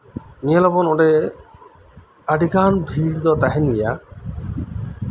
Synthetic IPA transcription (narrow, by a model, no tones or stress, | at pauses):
nijalɔbɔnɔɖɛ | aɖʱiɡanbʱiɾd̪ɔt̪aɦɛnija